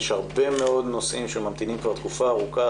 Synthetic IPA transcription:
ʃaʁbe̞meo̞d̪nosʔimʃemamt̪inimkvaʁt̪kufaːʁuka

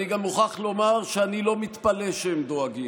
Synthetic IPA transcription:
niɡamːuχaχlo̞maʁʃeanilo̞mit̪paleʃemd̪oaɡi

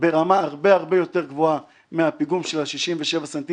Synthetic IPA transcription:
be̞ʁamaaʁbeaʁbejo̞t̪eʁɡvoa | meapiɡumʃelhaʃiʃimveʃe̞vasant̪i

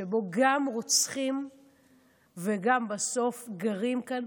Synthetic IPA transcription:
ebo̞ɡamʁot͡sχim | veɡambaso̞fɡaʁimkan

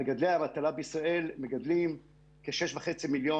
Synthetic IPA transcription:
eɡad̪leamat̪alabeisʁae̞lmeɡad̪lim | keʃeʃvaχet͡similjo

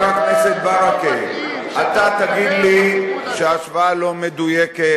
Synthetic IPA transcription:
akneset̪baɾakeat̪at̪aɡid̪liʃeaʃvaalo̞med̪ujeke

